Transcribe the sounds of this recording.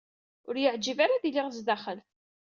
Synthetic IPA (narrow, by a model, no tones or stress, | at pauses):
ʊɾjəʕd͡ʒivaɾaðilɪʁzd̪aχəl